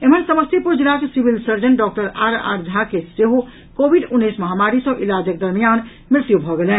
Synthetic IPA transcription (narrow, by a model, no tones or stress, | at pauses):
em̤ənsəməst̪ipuɾd͡ʒɾaksibilsəɾd͡ʒənɖɔk̚ʈəɾaɾa̰ɾd͡ʒʱakeseɦo | kobʱiɖunːesməɦamaɾisə̃ʔilad͡ʒək̚d̪əɾmijan | mɾɪt̪jubʱɔɡelẽn